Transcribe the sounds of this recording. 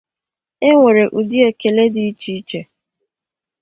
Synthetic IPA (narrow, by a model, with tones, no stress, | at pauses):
e˦ŋʷe˨ɾe˨ʔu˨di˦e˦ke˨le˦di˦i˦t͡ʃi˦i˦t͡ʃe˨